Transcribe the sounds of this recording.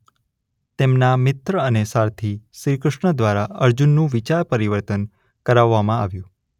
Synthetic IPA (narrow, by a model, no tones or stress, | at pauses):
t̪emnamɪt̪ɾəənesaɾt̪ʰiʃɾikɾəʃɳəd̪ʋaɾaəɾd͡ʒunːũʋit͡ʃaɾpəɾiʋəɾt̪ən | kəɾaʋːamãa̰ʋjũ